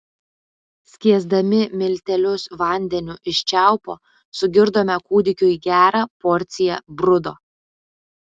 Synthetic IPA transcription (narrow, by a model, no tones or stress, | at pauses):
sʲkʲiɛzd̪ɐmʲɪmʲɪlʲt̪ʲɛlʲʊsʋɐˑnʲd̪ʲɛnʲʊʔɪʃʲt͡ʃʲæˑʊpoː | sʊɡʲɪɾd̪oːmʲɛkuːd̪ʲɪkʲʊiɡʲæːɾɑːpɔɾʲt̪sʲɪjɛbɾʊd̪oː